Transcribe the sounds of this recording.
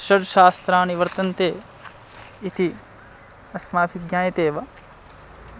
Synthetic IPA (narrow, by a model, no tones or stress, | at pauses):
ʃɐɖʃaːst̪ɾaːniʋɐɾt̪ɐnt̪eː | it̪i | ɐsmaːbʱiɡjaːjɐt̪eːʋɐ